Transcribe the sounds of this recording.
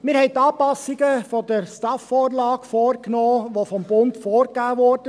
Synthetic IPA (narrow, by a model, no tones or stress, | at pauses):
mɪːɾhɛɪtːɑːpɑsːɪɡəfɔdəɾstɑfːɔːɾlɑːkfɔːrknɔːʋofɔmbʊntfɔːɾkæːʋɔːɾd̥ə